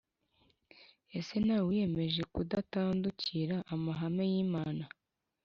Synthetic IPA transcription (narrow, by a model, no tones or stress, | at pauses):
e̞se̞naːwije̞me̞ʒe̞kudataːnduciɾaʔamaɦame̞jiːmaːna